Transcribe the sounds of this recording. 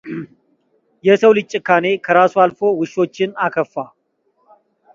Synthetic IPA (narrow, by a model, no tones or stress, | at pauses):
jɛsəwlɨt͡ʃʼːɪkane̞kʰəɾasualfo̞wɨʃo̞t͡ʃːɪnakʰəfːa